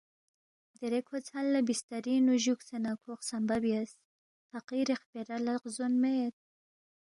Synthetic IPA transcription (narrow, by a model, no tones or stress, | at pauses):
d̪eɾekhot͡shalːabist̪aɾinuʒuksenakʰoxsambabjas | faqiɾexpeɾalaqzonmejet̪̚